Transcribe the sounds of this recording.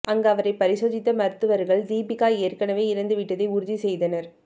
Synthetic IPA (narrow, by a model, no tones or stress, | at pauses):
ʔɐŋɡɐʋɐɾɐɪpɐɾɪsoːðɪt̪ːɐmɐɾɯt̪ːɯʋɐɾɣɐɭd̪iːbɪkaːeːɾkɐnɐʋeːɪɾɐnd̪ɯʋɪʈːɐðɐɪʊɾʊðisɛjðɐnɐɾ